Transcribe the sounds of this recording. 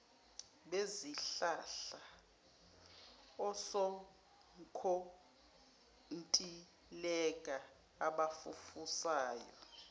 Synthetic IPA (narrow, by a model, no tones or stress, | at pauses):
ɓeziɬaɬa | ɔsɔ | ŋkʰo | ntʼi | lɛkʼa | aɓafufusaːjɔ̰